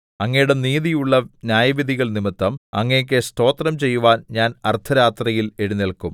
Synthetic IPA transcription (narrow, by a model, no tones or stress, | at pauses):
ɐŋːɐjuɽe̞niːðijuɭːɐnjaːjɐʋiðʱiɣɐɭnimɐt̪ːɐmɐ̰ŋːɐjɐk̬ʲːest̪o̞ːt̪rɐmt͡ɕe̞jːuʋaːnɲaːnɐrt̪ʰɐɾaːt̪rɐjile̞ɽunelkum